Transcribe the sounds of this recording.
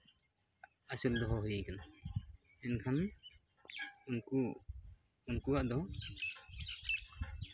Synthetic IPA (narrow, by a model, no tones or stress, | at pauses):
asuld̪ɔɦɔɦujəjkana | ɛnkʰan | unku | unkuwaʔd̪ɔ